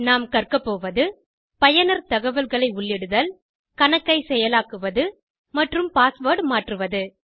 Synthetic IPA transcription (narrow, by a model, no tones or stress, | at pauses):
naːmkɐrkɐpːoːʋɐðɯ | pɐjɐnɐɾt̪ɐɣɐʋɐlɣɐɭɐɪʊɭːɛɽɯðɐːl | kɐɳɐkːɐɪsɛjɐlaːkɯʋɐðɯ | mɐʈrɯmpaːsʋoːɖmaːʈrɯʋɐðɯ